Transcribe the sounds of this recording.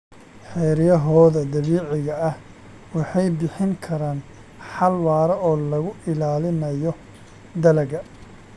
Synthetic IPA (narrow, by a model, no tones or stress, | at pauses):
ħɛjɾɪjɐɦɔːðɐd̪ɐβiːʕɪɣɐɐh | wɑħɑjbɪħɪŋkʰɐɾaːn | ħɑlwaːɾɐʔɔːlɐɣʊʔɪlaːlɪnɐjɔ | d̪ɐlɐɣɐ